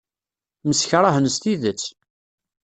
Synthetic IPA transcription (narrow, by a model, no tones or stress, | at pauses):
məsçɾˤahənəst̪iðət͡sː